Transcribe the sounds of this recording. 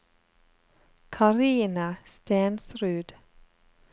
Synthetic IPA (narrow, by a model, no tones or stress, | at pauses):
kʰɑɾiːnəst̪eːnsɾʉːd̪̥